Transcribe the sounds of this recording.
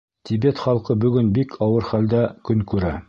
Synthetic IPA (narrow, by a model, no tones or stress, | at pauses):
t̪ʲibet̪χɑlˠqɤbɵ̆ɡɵnbikʰɑwɤɾχæld̪ækɵŋkʉɾæ